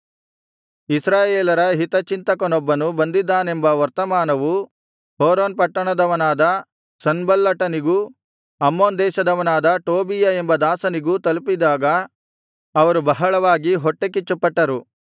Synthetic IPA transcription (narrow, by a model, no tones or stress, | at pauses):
isɾaːjeːlɐɾɐɦit̪ɐt͡ʃint̪ɐkɐnɔbːɐnubɐnd̪id̪ːaːnembɐɐɾt̪ɐmaːnɐʋu | hoːɾoːnpɐʈːɐɳɐd̪ɐʋɐnaːd̪ɐ | sɐnbɐlːɐʈɐniɡu | ɐmːoːnd̪ɛːʃɐd̪ɐʋɐnaːd̪ɐʈoːbijɐembɐd̪aːsɐniɡut̪ɐlpid̪aːɡɐ | ɐʋɐɾubɐɦɐɭɐʋaːɡiɦɔʈːekit͡ʃːupːɐʈːɐɾu